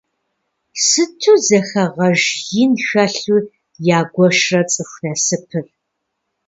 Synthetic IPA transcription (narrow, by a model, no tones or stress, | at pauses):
sɨtʰuzɐxɐʁɐʒjɪnʃʷᶣɐɬuː | jaːɡʷɔʃrɐt͡sʼɨxʷnɐsɨpʰɨr